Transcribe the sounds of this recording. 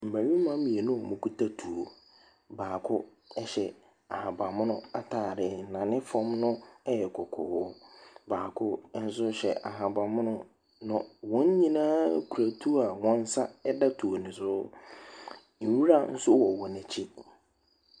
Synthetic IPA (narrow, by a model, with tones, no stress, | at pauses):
m̩˨mæ̃˨ɲĩ˦mã˦mĩ˨e˨nʊ̃˦˨mʊ̃˨kʰu˦tʰa˦tʰu˨o˨ | baː˨kʰʊ˦ | ɛ˦ɕɛ˨ | a˨hã˨ba˨mʊ̃˦nʊ̃˦a˦tʰaː˨ɾɪ˨nã˨nɪ̃˦fɔ̃˦mnʊ̃˦ɛ˦jɛ˨kʰɔ˨kʰɔ̰˨wɔ˦baː˨kʰʊ˦n̩˦s̬ʊ˦ɕɛ˨ʔa˨ɦã˨ba˨mʊ̃˦nʊ̃˦ | nʊ̃˨wɔ̃˦ɲ˦ɲĩ˦nã˦kʰu˨ɾa˨tʰu˦a˨wɔ̃˦n̩˦sa˦ɛ˦da˦tʰu˨o˨nɪ̃˨sʊ˦ | n̩˨wi˦ɾa˦n̩˦sʊ˦wɔ˨wɔ˨nɪ̃˨t͡ɕʰi˦